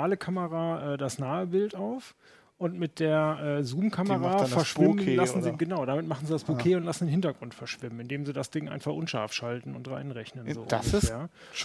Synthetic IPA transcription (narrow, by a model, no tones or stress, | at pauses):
aːləkʰaməʁaːʔɛːdasnaːəbɪltaʊf | ʔʊntmɪt̚d̥eːɐʔɛːzuːmkʰaməʁaːɛɐʃvɪməlasn̩ziɡənaʊdamɪtmaχn̩ziːdasb̥okʰeːʊntlasn̩deːnhɪntɐɡʁʊntfɛɐʃv̥ɪmən̩ɪndeːmziːdasd̥ɪŋʔa̰ɪnfaχʔʊnʃa̰ɐfʃaltn̩ʊ̰ntʁa̰ɪnʁɛçnənzo̰̥ːassjaː